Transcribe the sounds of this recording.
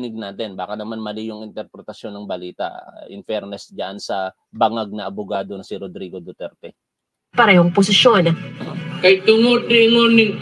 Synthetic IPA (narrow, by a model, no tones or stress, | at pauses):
nɪɡ̚naːt̪ɛnbaːkɐnɐmanmɐlɪjʊŋɪnt̪ɛɾpɾɛt̪ɐʃjo̞nːɐŋbɐliːt̪ɐ̰ʔɪ̰nfɛɾnɛsd͡ʒɐʔansɐ | bɐŋaɡ̚nɐʔɐbʊɡaːd̪osiɾod̪ɾiːɡod̪ot̪ɛɾt̪ɛ | paːɾɐjoŋpʊsɪʃonkɐjt̪ʊŋot̪ɪŋonɪ